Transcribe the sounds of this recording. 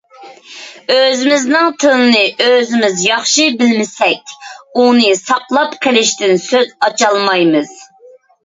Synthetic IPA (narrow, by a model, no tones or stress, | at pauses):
øzɪmɪznɨŋt̪ʰɨlɨnɨʔøzɪmɪzjɑχʃɨbɪlmɪsɛkʲunɨsɑqlˠɑpqʰelɪʃt̪ɪnsøzɑt͡ʃʰɑlˠmɑjmɨz̥